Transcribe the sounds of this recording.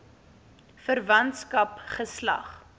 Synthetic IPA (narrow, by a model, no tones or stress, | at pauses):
fərvɐntskɐpχəslɐ̰χ